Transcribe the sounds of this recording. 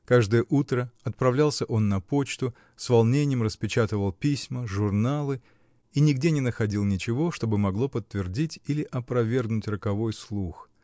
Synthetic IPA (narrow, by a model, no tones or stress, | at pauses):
kaʐd̪ɨjəʔut̪ɾəɐt̪̚pɾɐvlʲalˠsʲəʔo̞nːɐpo̞t͡ɕt̪ʊ | svɐlˠnʲenʲɪjəmrəspʲɪt͡ɕat̪ɨvəlˠpʲisʲməʐʊrnalˠɨ | inʲɪɡdʲenʲɪnəxɐdʲilˠnʲɪt͡ɕɪvo̞ʂt̪o̞bɨmɐɡlˠo̞pət̪ːvʲɪrdʲitʲilʲɪʔɐpɾɐvʲe̞rɡnʊtʲrəkɐvo̞jslˠux